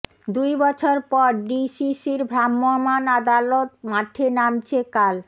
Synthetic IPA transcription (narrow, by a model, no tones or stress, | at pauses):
d̪ujbɔt͡ɕʰoɾpɔɾɖisisiɾbʱɾamːomanad̪alot̪̚maʈʰenamt͡ɕʰekal